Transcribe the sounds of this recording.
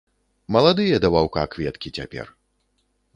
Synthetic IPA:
mɐlˠad̪ɨjɛd̪ɐvawka̰kvʲɛt̪kʲit͡sʲapʲɛ̰r

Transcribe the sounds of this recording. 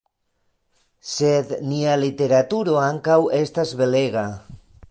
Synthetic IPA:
sed̪nialit̪eɾat̪uɾoaŋkawest̪azβeleɣa

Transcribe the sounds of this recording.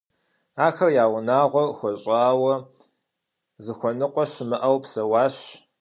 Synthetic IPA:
aːxɐrjaːwʊnaːʁʷɔxʷɔɕʼaːwɐ | zɨxʷɔnɨqʷʼɔɕmɨʔɐwpɬɐwɑːɕ

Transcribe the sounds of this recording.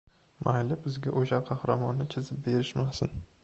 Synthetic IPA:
majlɪbɪzɡʲaʔoʃaɾqʰɑhɾamɒnːɪt͡ʃʰɪzɪp̚be̞ɾɪʃmasɪ̰n

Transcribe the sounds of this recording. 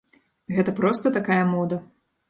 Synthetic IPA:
ɣɛt̪ɐpɾɔst̪ɐt̪akajɐmɔd̪ɐ

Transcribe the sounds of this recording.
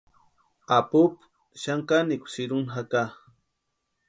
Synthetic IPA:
apʊp | ʃaŋkanikʷʊ̥siɾunɦaka

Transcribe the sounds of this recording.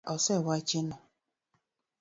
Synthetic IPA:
ɔsɛwat͡ʃinɔ

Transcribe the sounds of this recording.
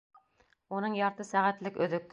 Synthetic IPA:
unɨŋjɑɾt̪ɨsæʁæt̪lɪkʲøðʏk̪̚

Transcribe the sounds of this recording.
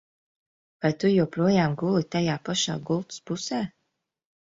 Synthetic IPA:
vajt̪ujupɾuɔjaːmɡulˠit̪ajaːpaʃa̰ːɡulˠt̪u̥spusæː

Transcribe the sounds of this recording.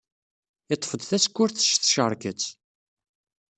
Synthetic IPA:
ɪt̪ˤːfəd̪θæskʷːʊɾθə̥ʃθʃəɾˤkət͡sː

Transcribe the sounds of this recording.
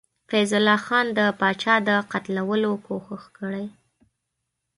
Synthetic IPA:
fajzʊlːɑxɑnd̪əpɑt͡ʃɑd̪əqat̪lawəlokʰoxəxkəɽaj

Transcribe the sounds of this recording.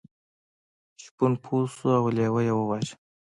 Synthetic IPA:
ʃpunpʰusuawlewəjewəwɑt͡ʃ

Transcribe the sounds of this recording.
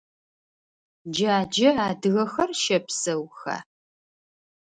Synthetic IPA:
d͡ʒɐaːd͡ʒɐaːdɨɣɐxɐrʃɐpsɐwxɐ̰

